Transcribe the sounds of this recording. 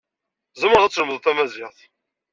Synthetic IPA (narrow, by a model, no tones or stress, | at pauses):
zəmʁæt͡sːləməðθæmæzɪʁθˤ